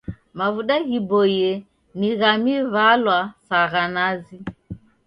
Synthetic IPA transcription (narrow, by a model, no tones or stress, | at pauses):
mavuɗaɣibɔjɛ | niɣamivalwasaɣanazi